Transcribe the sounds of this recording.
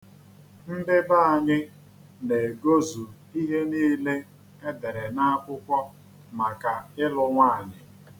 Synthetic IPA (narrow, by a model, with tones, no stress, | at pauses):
m̩˦bɪ˦ba˦a˨ɲɪ˦ | ne˨ɡo˦zu˨ | i˦ɦe˦niː˦le˦ | e˦de˨ɾe˨na˦a˦kʷʊ˦kʷɔ˦ | ma˨ka˨ɪ˦lʊ˦ŋʷaː˦a˨ɲɪ˨